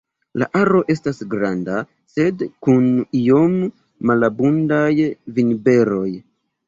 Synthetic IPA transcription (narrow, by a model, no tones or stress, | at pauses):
la̰ʔaɾo̞ʔe̞stasɡɾanda | se̞dkunio̞mː | alabundajvinbe̞ɾo̞j